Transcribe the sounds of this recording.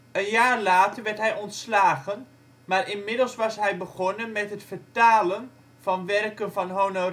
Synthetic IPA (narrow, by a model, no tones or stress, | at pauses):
ənjaːrlaːtəɹʋɛɹtɦɛjʔɔntslaːɣən | maːrɪnmɪdəlˠsʋɑsɦɛjbəɣɔnənmɛtɦətfəɹtaːlən | v̥ɑnʋɛrkənvɑnɦowno